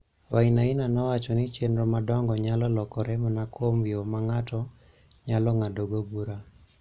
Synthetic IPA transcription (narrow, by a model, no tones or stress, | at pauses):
wainainanɔwat͡ʃɔnɪt͡ʃenɾomadɔŋɡɔɲalɔlɔkɔɾɛmɔnakʰomjomaŋatɔ | ɲalɔŋadoɡobuɾa